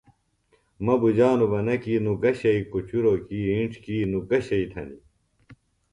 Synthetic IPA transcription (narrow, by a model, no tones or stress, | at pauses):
mɐbud͡ʑaːnubɐnɐkiːnuɡɐɕɐikut͡ɕuɾoːkiiɳʈ͡ʂʰkiːnuɡɐɕɐit̪ʰɐ̰nḭ